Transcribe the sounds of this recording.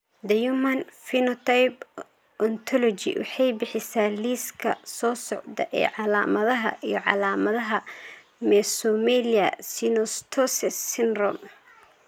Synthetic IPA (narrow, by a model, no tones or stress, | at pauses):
d̪ɐjumɐnfinɔt̪ʰajp | ʔɔnt̪ʰɔlɔt͡ʃḭwɑ̰ħɑjbɪħɪsaːliːskʰɐ̰sɔːsɔʕd̪ɐ̰ʔɛ̰ːʕɑlaːmɐðɐɦɐ̰ʔijɔʕɑ̰laːmɐðɐɦɐ | mɛsɔmɛliɐ̰sinɔst̪ʰɔsɛsːɪnrɔm